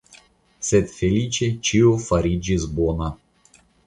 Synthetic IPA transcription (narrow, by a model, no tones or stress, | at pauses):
sʲɛt̪fʲelʲit͡ʃet͡ʃiofaɾʲid͡ʒizbona